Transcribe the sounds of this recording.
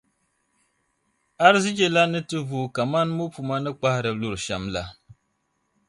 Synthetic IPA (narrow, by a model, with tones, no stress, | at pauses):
a˦ɾɨ˦zɪ˦d͡ʒe˨la˦nɨ˦tɨ˦vuː˨ka˨ma˦nmu˦pu˨ma˦nɨ˦k͡pa˦hɪ˦ɾɨ˨lu˦ɾɨ˨ʃɛ˨mla˦